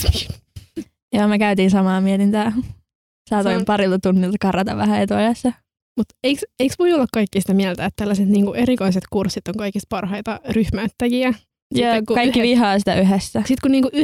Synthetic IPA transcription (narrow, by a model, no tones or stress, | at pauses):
joːmekæyt̪iːnsɑmɑːmiɛt̪int̪æː | sɑːt̪oimpɑrilt̪ɑt̪unːilt̪ɑkɑrɑt̪ɑʋæhæet̪uɑjɑsːɑ | mut̪eikseiksʋoiolːɑkkɑikːisi̥t̪æmiælt̪æet̪t̪ælːæset̪niːŋkuʔeɾikoiset̪kursit̪oŋkɑikist̪̚pɑrhɑit̪ɑryhmæt̪ːæjiæ | sjioːkukɑikːiʋiɦɑːsit̪æ̰ʔyɦesːæsit̪kunniːŋkuʔy